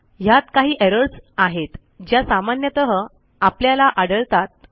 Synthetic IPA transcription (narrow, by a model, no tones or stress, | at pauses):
jat̪kaɦiːʔeɾəɽsaɦet̪ | d͡ʑjasamanjət̪əɦə | apljalaʔaɽəɭt̪at̪̚